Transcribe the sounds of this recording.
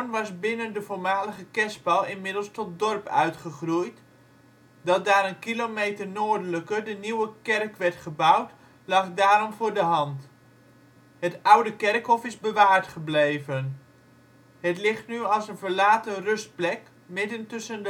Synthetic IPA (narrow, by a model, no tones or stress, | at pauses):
nʋɑsbɪnəndəvoːɹmaːləɣəkɛsbɑlˠɪnmɪdəlˠstɔt̚dɔrpœ̰ɥtχəχrujt | dɑt̚daːɾənkilomejtərnoːɹdələkərdəniwəkɛrkʋɛɹtχəbawt | lɑχdaːɾɔmvʊːɹdəɦɑnt | hətʌwdəkɛrkɦɔfɪzbəʋaːɹtχəblejvən | ɦətlɪχtnyɑlˠsənvəɹlaːtərɵst̚plɛk | mɪdəntɵsəndə